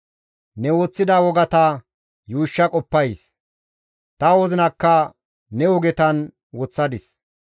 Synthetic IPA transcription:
nɛwoːt͡sːɪd̪ɐwɔɡɐt̪ɐ | juːʃːɐkʼɔpːɐjs | t̪ɐwɔzɪnɐkːɐ | nɛwɔɡɛt̪ɐn | wɔt͡sːɐd̪ɪs

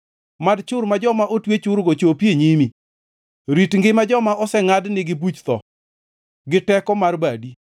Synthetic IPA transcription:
madt͡ʃʊɾmad͡ʒɔmaʔotwet͡ʃʊɾɡot͡ʃopjeɲimi | ɾitŋɡɪmad͡ʒɔmaʔɔsɛŋadnɪɡɪbut͡ʃt̪ɔ | ɡɪtɛkɔmarbadi

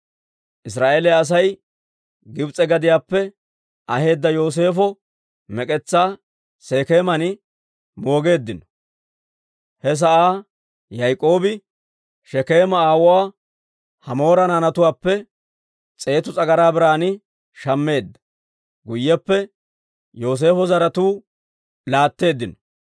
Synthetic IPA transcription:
ʔɪs̬ɾaːʔeːlɛɐs̬ɐj | ɡɪbt͡sʼɛɡɐd̪ɪjaːpːɛ | ʔɐhe̞ːd̪ːɐjo̞ːs̬e̞ːfɔ | mɛkʼɛt͡sːaː | se̞ːke̞ːmɐnɪ | mo̞ːɡe̞ːd̪ːɪnɔ̥ | hɛs̬ɐʔaː | jɐjkʼːo̞ːbɪ | ʃɛke̞ːmɐaːwɔwaː | hɐmo̞ːɾɐnanɐt̪ʊwaːpːɛ | t͡sʼe̞ːt̪ʊt͡sʼɐɡɐɾaːbɪɾaːnɪ | ʃɐmːe̞ːd̪ːɐ̥ | ɡʊjːɛpːɛ | jo̞ːs̬e̞ːfɔzɐɾɐt̪uː | laːt̪ːe̞ːd̪ːɪnɔ̥

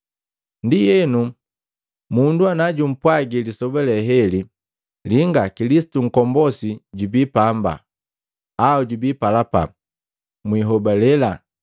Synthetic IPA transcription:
ndijɛnu | munduanaɟum̩pwaɡilisɔbalɛɦɛli | liŋɡakilisi̥tuŋ̩kɔmbɔsiɟubiːpamba̰ | auɟubiːpalapa̰ | mwiɦɔbalɛla

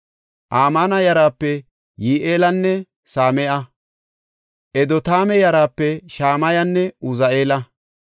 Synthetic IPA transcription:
ʔaːmanɐjɐɾaːpːɛ | jiːʔeːlɐnːɛ | saːmɛʔɐ | ʔɛd̪ɔt̪aːmɛjɐɾaːpːɛʃaːmɐjɐnːɛʊzɐʔeːlɐ

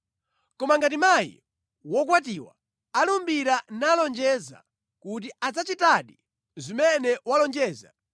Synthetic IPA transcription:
kɔmaŋɡatimajḭ | wɔk̬wat̬iwa̰ | alumbiɾanalɔnd͡ʒɛza̰ | kut̬iad͡zat͡ʃitaɗi | zimɛnɛwalɔnd͡ʒɛːza̰

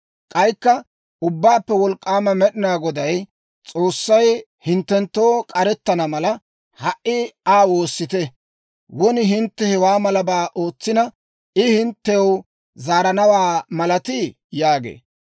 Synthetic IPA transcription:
kʼɐjkːɐ | ʊbːaːpːɛwɔlkʼːaːmɐmɛɗɪnaːɡɔd̪ɐj | t͡sʼo̞ːsːɐj | hɪnt̪ːɛnt̪ːo̞ːkʼɐɾɛt̪ːɐnɐmɐlɐ | hɐʔːɪaːwoːsːɪt̪ɛ | wɔnɪɦɪnt̪ːɛhɛwaːmɐlɐbaːʔo̞ːt͡sːɪnɐ | ɪhɪnt̪ːɛw | zaːɾɐnɐwaːmɐlɐt̪ɪ | jaːɡḛː

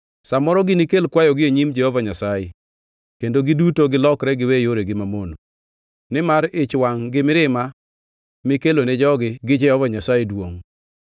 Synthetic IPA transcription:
samɔɾɔɡɪnikelkwajɔɡɪeɲimd͡ʒɛhɔvaɲasaje | kendoɡɪdutoɡɪlɔkɾɛɡɪwejoɾeɡɪmamono | nɪmaɾɪt͡ʃwaŋɡɪmɪɾɪma | mɪkelonɛd͡ʒɔɡɪɡɪd͡ʒɛhɔvaɲasajedwoŋ

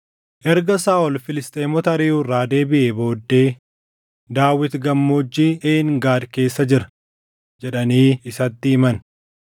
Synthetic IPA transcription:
ʔɛɾɡɐsaːʔɔlfɪlɪst̪ʼeːmɔt̪ɐɐɾiːrːaːd̪e̞ːbɪʔebo̞ːd̪ːe̞ː | d̪aːwːɪt̪ɡɐmːod͡ʒːiːʔeːŋɡaːd̪ke̞ːsːɐd͡ʒɪɾɐ̥ | d͡ʒɛᶑɐniːɪsɐt̪ːɪɪmɐn

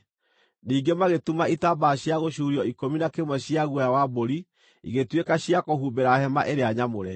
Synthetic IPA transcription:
niːŋɡemaɣetumaitabaɕjaɣoɕuɾiɔikominakemwɛɕiaɣwajawaboɾi | ḭɣetwekaɕiakoɦuːbeɾahɛma̰ʔeɾeaɲamoɾɛ

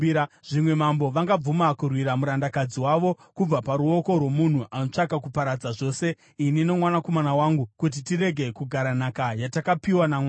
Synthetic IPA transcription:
ʐ̥imwe̞mambo̞ʋaŋɡab͡vumakurwiɾamuɾandakad͡ziwaʋo̞ | kub͡vapaɾuo̞ko̞rwo̞mun̤uʔano̞t͡ʂakakupaɾad͡zaʐo̞ːse̞ | inino̞mwanako̞manawaːŋɡukut̬itiɾe̞ɡʱe̞kuɡʱaɾanakajatakapiwanama

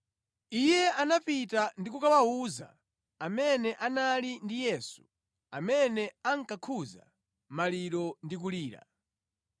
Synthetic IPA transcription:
ijɛanapitandikukawauza̰ | amɛnɛʔanalindijɛːsu | amɛnɛaŋ̩kakʰuza̰ | maliɾɔndik̬uliːɾa̰

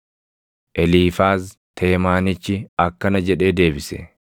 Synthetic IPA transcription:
ʔɛliːfaːz | t̪ʰe̞ːmaːnɪt͡ʃːɪɐkːɐnɐd͡ʒɛᶑe̞ːd̪e̞ːbɪsɛ̰

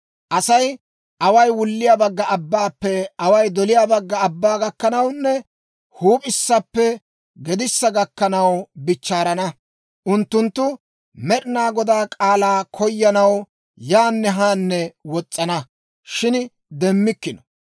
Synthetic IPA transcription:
ʔɐsɐj | ʔɐwɐjwʊlːɪjaːbɐɡːɐʔɐbːaːpːɛɐwɐjd̪ɔlɪjaːbɐɡːɐɐbːaːɡɐkːɐnɐwnːɛ | huːpʼɪsːɐpːɛ | ɡɛd̪ɪsːɐɡɐkːɐnɐwbɪt͡ʃːaːɾɐnɐ | ʔʊnt̪ːʊnt̪ːʊ | mɛɗɪnaːɡɔd̪aːkʼaːlaːkʰɔjːɐnɐw | jaːnːɛɦaːnːɛwɔt͡sʼːɐnɐ | ʃɪn | d̪ɛmːɪkːɪnɔ̥

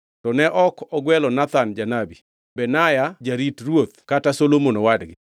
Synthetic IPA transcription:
tɔnɛʔɔkɔɡwɛlɔnat̪and͡ʒanabi | bɛnajad͡ʒaɾitrwot̪katasolomonowadɡɪ

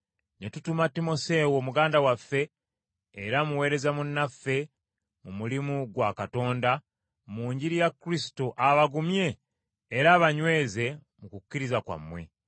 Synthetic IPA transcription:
netutumatimo̞se̞ːwoːmuɡaːndawafːe̞ː | ɾamuwe̞ːɾe̞zamunːafːe̞ | mumulimuɡwakato̞ːnda | muːɲɟiɾijakːɾisi̥toʔaβaɡumje̞ː | ɾaːβaɲwe̞ːze̞ | mukukːiɾizakwa̰mːwe̞̰

